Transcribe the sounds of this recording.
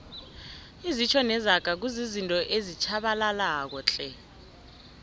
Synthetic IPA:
izit͡ʃʰɔnɛzaɡ̥ʱak̬uzizintʼɔʔezit͡ʃʰaɓalalaːk̬ɔt͡ɬʼɛ

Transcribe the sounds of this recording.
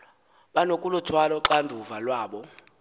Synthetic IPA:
ɓanokʼulutʰwalɔǁandʱuvalwaːɓɔ

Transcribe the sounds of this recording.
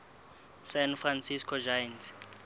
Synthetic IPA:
sɛnfransiskʰɔd͡ʒajntʰ

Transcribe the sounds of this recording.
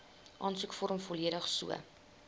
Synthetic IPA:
ʔɑːnsukfɔɾəmfɔliəɾəχsuə̰

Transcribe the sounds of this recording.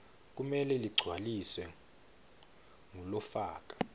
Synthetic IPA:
k̬ʼumɛlɛliɡ͡ǀʱwalisɛ | ŋulɔfaːk̬ʼḁ

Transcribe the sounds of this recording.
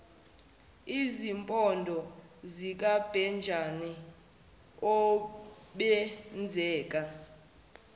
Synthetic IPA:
izimpʼɔndʱɔzik̬ʼab̥ʱɛnd͡ʒʱani | ɔ | ɓɛnd͡zʱɛːkʼa

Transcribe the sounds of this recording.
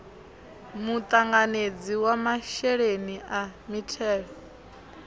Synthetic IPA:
mut̪ʼaŋɡaned͡ziwamaʃɛɺeniʔamitʰɛːɺɔ

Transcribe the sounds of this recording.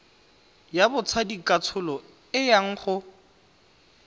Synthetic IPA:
jabʊt͡sʰadikʼat͡sʰʊlɔ | ɪjaŋ̩χʊ

